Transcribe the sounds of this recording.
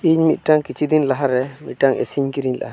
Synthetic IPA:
iɲmit̪̚ʈaŋkit͡ʃʰid̪inlaɦaɾɛmit̪̚ʈaŋɛ̰siɲkiɾiɲla̰ɦa

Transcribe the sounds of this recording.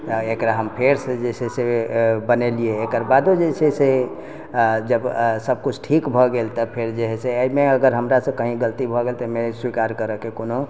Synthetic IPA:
t̪ɔekɾaɦəmpʰeɾsə̃d͡ʒesesebənelieːkəɾbad̪od͡ʒesʰese | d͡ʒəbsəb̚kut͡ʃʰʈʰikbʱɔɡelt̪əpʰeɾd͡ʒeɦɛseəimeəɡəɾɦəmɾasə̃kəɦĩɡəlt̪ibʱɔɡelt̪əmeswikaɾkəɾəkekono

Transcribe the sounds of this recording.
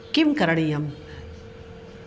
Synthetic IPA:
kimkɐɾɐɽijɐm

